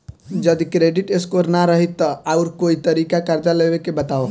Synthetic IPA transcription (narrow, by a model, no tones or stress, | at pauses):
d͡ʒəd̪ikɾeɖiʈeskoɾnaɾəɦit̪ːəauɾkoit̪əɾikakaɾd͡ʒalebekebət̪ao